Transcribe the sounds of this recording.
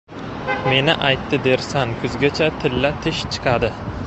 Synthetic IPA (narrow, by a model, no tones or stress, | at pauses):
me̞nɪʔajt̪ːɪd̪e̞ɾsankʰʊzɡʲat͡ʃʰat̪ʰɪlːat̪ʰɪʃt͡ʃʰɨ̥qʰɑd̪ɪ